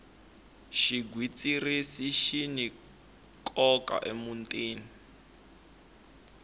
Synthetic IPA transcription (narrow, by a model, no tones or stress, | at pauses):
ʃiɡwit͡sʼirisiʃini | kʰʼɔka̰ʔemuntʼeːni